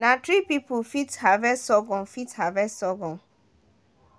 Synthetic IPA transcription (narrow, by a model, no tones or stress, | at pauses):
nãtʰɹipipufithavɛsɔɡɔ̃nfithavɛsɔɡɔ̃n